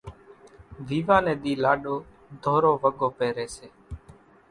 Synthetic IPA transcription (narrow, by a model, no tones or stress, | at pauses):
ʋiːʋãːnẽːɗ̪iːlaːɗoː | d̪ʱoːɾoːʋəɡoːpeːɾeːseː